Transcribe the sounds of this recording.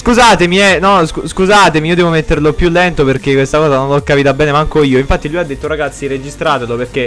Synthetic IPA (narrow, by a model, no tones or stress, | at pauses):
skuzaːt̪emiɛnɔskuskuzaːt̪emiiːod̪ɛvomet̪ːerlopjulːɛnt̪operk̟ekːwest̪akɔːzanõnlokːapit̪abɛːnemaaŋkoiːoiɱfat̪ːilujad̪et̪ːoraɡat̪sːiɾed͡ʒist̪ɾaːt̪eloperk̟e